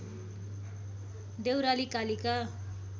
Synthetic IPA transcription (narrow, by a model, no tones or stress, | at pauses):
d̪ewɾalikalika